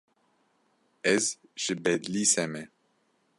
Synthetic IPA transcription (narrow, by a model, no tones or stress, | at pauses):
ɛzʒ̥ɨbɛd̪lisɛmɛ